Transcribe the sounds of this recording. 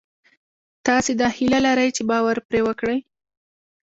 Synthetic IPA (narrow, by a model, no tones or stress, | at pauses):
t̪ɑsed̪ɑhilalaɾəjt͡ʃebɑwaɾpɾewəkɽəj